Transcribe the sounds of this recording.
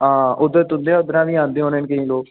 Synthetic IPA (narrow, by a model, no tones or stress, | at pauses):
ãːʊd̪əɾt̪ʊnd̪eːaʊd̪əɾãːʋiːãːnd̪eːɦõːneːnkəĩːloːk